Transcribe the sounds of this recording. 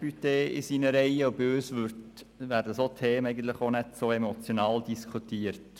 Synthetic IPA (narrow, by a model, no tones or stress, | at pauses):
pyteɪ̰siːnəɾɛɪəʊbøːsʋʉɾt | ʋæːɾdəsot̪ʰeːmɛɪɡən̩t̪ləχonɛtsoːɛmot͡sjonɑːldiskʰutiːəɾt